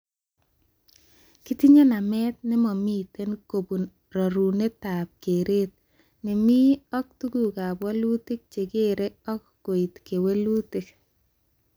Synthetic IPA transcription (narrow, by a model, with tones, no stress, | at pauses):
ki˦ti˦ɲe˦na˨mɛ˦t̪̚nɪ˦mɔ˨mi˦te˦nko˨bu˨n | ɾɔ˨ɾu˨ne˦ta˨p̚ke˨ɾe˦t̪̚ | nɪ˨mi˦ɔ˦k̚tu˦ɡu˨ka˨bwɔ˦lu˦tɪ˦k̚t͡ʃe˨ɡe˦ɾe˦ɔ˦k | ko˨i˨tke˨we˦lu˦te˦k